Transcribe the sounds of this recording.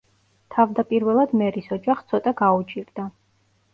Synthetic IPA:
t̪ʰavd̪apʼiɾvɛlˠad̪mɛɾisɔd͡ʒaχst̪sʰɔt̪ʼaɡaut͡ʃʼiɾd̪̥a

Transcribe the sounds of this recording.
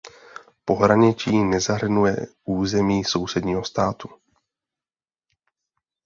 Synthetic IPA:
po̞ɦɾaɲɪt͡ʃiːnɛzaɦr̩nujɛ̰ʔuːzɛmiːso̞wsɛdɲiːɦo̞st̪aːt̪u̥

